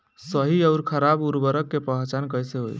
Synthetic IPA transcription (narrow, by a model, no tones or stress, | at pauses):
səɦiəʊɾkʰəɾabuɾbəɾəkːepəɦt͡ʃankəjseɦo̰j